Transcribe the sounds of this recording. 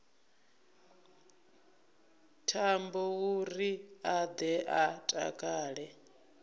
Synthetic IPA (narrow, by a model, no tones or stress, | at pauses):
tʰambɔwuriad̪ɛʔatʼa̰kʼaːɺɛ